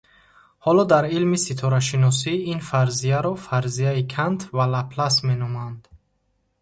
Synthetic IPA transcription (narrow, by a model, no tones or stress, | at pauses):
hɔlɔd̪aɾilmisit̪ʰɔɾaʃinɔs̬iinfaɾzijaɾɔfaɾzijaikʰant̪ʰvalapʰlasmenɔmand̪